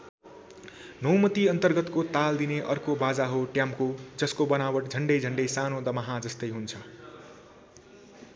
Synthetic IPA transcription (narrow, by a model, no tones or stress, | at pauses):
nʌwmʌt̪iʌnt̪ʌrɡʌt̪kot̪ald̪ineʔʌrkobad͡zaɦoʈjamkod͡zʌskobʌnawʌʈd͡zʱʌɳɖʌjd͡zʱʌɳɖʌjsanod̪ʌmaɦad͡zʌst̪ʌjɦunt͡sʰʌ